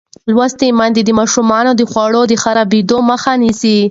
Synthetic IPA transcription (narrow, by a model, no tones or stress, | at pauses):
lwast̪emand̪ed̪əmɑʃumɑnod̪əxwɑɽod̪əxaɾabid̪oməxanisi